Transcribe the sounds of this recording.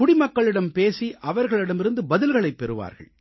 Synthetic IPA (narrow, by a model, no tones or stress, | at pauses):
kʊɽɪmɐkːɐɭɪɽɐmpeːsiʔɐʋɐɾɣɐɭɪɽɐmɪɾɯnd̪ɯbɐðɪlɣɐɭɐɪpːɛɾɯʋa̰ːɾɣɐ̰ɭ